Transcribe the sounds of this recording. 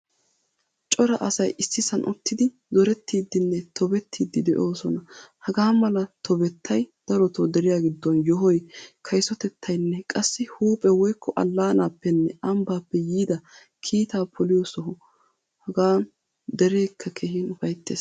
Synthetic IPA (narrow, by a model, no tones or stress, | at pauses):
t͡ʃʼɔɾɐʔɐsɐjɪsːɪsɐnʔʊ̰t̪ːɪd̪ɪ | zɔɾɛt̪ːiːd̪ːɪnːɛt̪ʰɔbɛt̪ʰːiːd̪ːɪd̪ɛʔo̞ːsɔnɐhɐɡaːmɐlɐt̪ʰɔbɛt̪ʰːɐjd̪̥ɐɾɔt̪od̪ɛɾɪjaːɡɪd̪ːɔnjɔɦɔjkʰɐjsɔt̪ɛt̪ʰːɐjnːɛkʼɐsːɪhuːpʼɛwɔjkʰːɔʔɐ̰lːaːnaːpːɛnːɛʔɐmbaːpːɛjiːd̪ɐ | kʰiːt̪aːpʰɔlɪjɔsɔɦɔ | hɐɡaːn | d̪ɛɾe̞ːkʰːɐkʰehiːnʊfɐjt̪ːeːs